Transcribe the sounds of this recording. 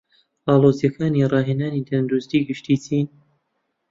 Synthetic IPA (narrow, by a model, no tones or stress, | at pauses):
ɑːlˠoːzjɐkʰaːniːrɑːɦeːnaːnit̪ʰɐnd̪ɾust̪iːɡɨʃt̪iːt͡sʰiːn